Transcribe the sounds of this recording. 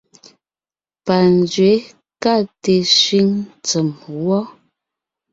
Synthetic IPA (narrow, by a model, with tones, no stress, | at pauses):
pa˨n˨d͡ʒɥe˨˦ | ka˦˨te˨sɥi˦ŋt͡sə˨mwɔ˦